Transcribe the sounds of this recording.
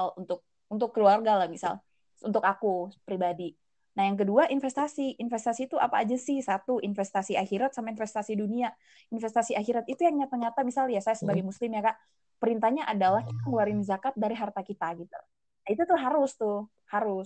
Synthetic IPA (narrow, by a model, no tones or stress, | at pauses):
lunt̪ʊk̚ | unt̪ʊkːəluarɡalahmisa̰l | unt̪ʊkakupɾibadi | nahjaŋk̬əduaʔinfɛst̪asiʔinfɛst̪asiːt̪uʔa̰pa̰ːd͡ʒasɪhsat̪uinfɛst̪asiahiɾat̪̚samainfɛst̪asidunia | infɛst̪asiaɦiɾat̪̚it̪ujaŋɲat̪ərɲat̪amisaljasajasəbaɡajmuslɪmjakaʔ | pəɾint̪ahɲaʔadalahki̥t̪aŋəluaɾɪnzakat̪̚daɾiɦart̪akit̪aɡit̪ulah | nait̪ut̪ʊɦaɾʊst̪ʊ | haɾʊs